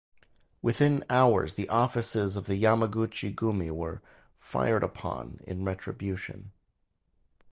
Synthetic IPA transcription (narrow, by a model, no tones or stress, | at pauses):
wʔɨθɪ̃naʊə̰˞zðiʔɔfɨsɪzʌvðɨjaməɡut͡ʃiɡumiwə˞ | fa̰ɪə˞ɾəpʰɑ̰̃nɪ̰̃nɹɛtɹ̥ɨbjʉʃɨ̰̃n